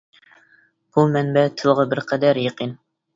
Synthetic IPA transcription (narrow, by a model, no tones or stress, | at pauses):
b̥umɛnbɛt̪ʰɨlˠʁɑbɪɾqʰæd̪æɾjeqʰin